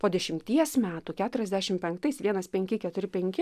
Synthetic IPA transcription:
poːd̪ʲɛʃʲɪmʲt̪ʲiɛsmʲæːt̪uːkʲæːt̪ʊɾʲɛzʲd̪ʲæːʃʲɪmpʲɛŋkt̪ɐɪsʋʲiɛnɐspʲɛŋʲkʲɪkʲɛt̪ʊɾʲɪpʲɛŋʲkʲɪ

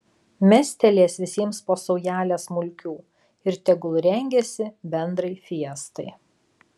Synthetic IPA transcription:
mʲɛsʲt̪ʲɛlʲeːsʋʲɪsʲiɛmspoːsɔʊjæːlʲesmʊlʲkʲuː | ɪɾt̪ʲɛɡʊlˠɾʲɛŋʲɡʲɛsʲɪbʲɛnd̪ɾɐɪfʲiɛst̪ɐɪ

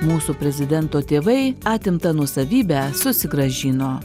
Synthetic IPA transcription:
muːsuːpʲɾʲɛzʲɪd̪ʲɛnt̪oːt̪ʲeːʋɐɪɑːt̪ʲɪmt̪ɐnuɔsɐʋʲiːbʲæsʊsʲɪɡɾɐʒʲiːnoː

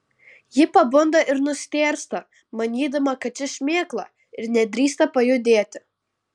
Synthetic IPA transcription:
jɪpɐbʊnd̪ɐʔɪɾnʊsʲt̪ʲeːɾʲst̪ɐ | mɐnʲiːd̪ɐmɐkɐt͡ʃʲɪʃʲmʲeːklˠɐ | ɪɾnʲɛd̪ʲɾʲiːst̪ɐpɐjʊd̪ʲeːt̪ʲɪ

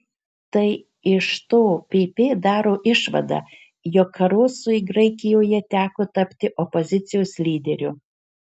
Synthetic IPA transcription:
t̪ɐɪ | ɪʃt̪oːpʲeːpʲeːd̪ɑːɾoːʔɪʃʋɐ̰d̪ɑ̰ː | joːkʰːɐɾoːsʊɪɡɾɐɪkʲɪjoːjɛt̪ʲæːkoːt̪ɐpʲt̪ʲɪʔɔpɔzʲɪt̪sʲɪjoːsʲlʲiːd̪ʲɛɾʲʊ

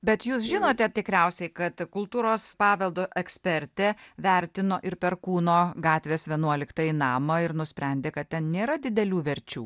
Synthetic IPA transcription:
bʲɛt̪juːsʒʲɪnoːt̪ʲɛt̪ʲɪkɾʲɛʊsʲɛɪkɐt̪kʊlˠt̪uːɾoːspɑːʋʲɛlˠd̪oːʔɛksʲpʲɛɾʲt̪ʲɛʋʲæɾʲt̪ʲɪnoːʔɪɾpʲɛɾkuːnoːɡɑːt̪ʲʋʲeːsʋʲiɛnuɔlʲɪkt̪ɐjɪnɑːmɐɪɾnʊsʲpʲɾʲæˑnʲd̪ʲeːkɐt̪̚t̪ʲɛnnʲeːɾɐd̪ʲɪd̪ʲɛlʲuːʋʲɛɾʲt͡ʃʲuː

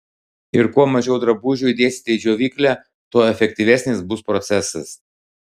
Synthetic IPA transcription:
ɪɾkuɔmɐʒʲɛʊd̪ɾɐbuːʒʲuːid̪ʲeːsʲt̪ʲɛɪd͡ʒʲoːʋʲiːklʲæ | t̪oːɛfʲɛk̚ʲt̪ʲiʋʲɛsʲnʲɪsbʊspɾɔt̪sʲɛsɐs

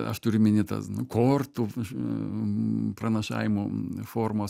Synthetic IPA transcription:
ɐ̰ʃt̪ʊɾʲʊmʲɪnʲɪt̪ɐ̰snʊkʰoːrt̪u | prɐnɐʃɑ̰ːʋʲɪmʊfoːrmoːs

